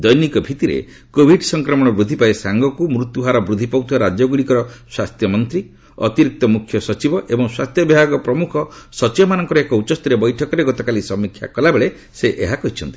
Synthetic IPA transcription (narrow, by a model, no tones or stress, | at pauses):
d̪ɔjnikɔbʱit̪iɾḛ | kobʱiɖsɔŋkɾɔmɔɽ̃ɔbɾud̪ʱipaesaŋɡɔkumɾut̪juɦaɾɔbɾud̪ʱipawt̪uwaɾad͡ʒɔɡuɽikɔɾɔswast̪jɔmɔnt̪ɾi | ɔ̰t̪iɾik̚t̪ɔmukʰjɔsɔt͡ʃibɔʔebɔŋswast̪ʰjɔbibʱaɡɔpɾɔmukʰɔsɔt͡ʃibɔmanɔŋkɔɾɔekɔut͡ʃɔst̪iɾebɔjʈʰɔkɔɾeɡɔt̪ɔkalisɔmːikʰːja̰kɔlabeɭe | seʔeɦakɔɦit͡ʃʰɔnt̪i̥